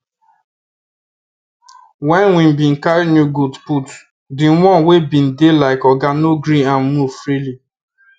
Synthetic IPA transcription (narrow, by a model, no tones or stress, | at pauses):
wɛ̃nwĩmbĩn̩kaɾinjuɡudput | dĩwɔ̃nwebĩndelaɪkɔɡanoɡɾĩãnmuv̥fɹili